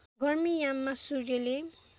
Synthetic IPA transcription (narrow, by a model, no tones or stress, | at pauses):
ɡʱʌrmijamːasud͡ʒele